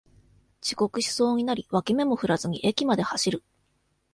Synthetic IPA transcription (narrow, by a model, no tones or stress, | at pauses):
t͡ɕi̥ko̞kɯ̟ɕi̥so̞ːɲ̟inaɾʲiβakʲime̞mo̞ɸɯ̟ɾazɨɲ̟iʔekʲimad̪e̞haɕiɾɯ̟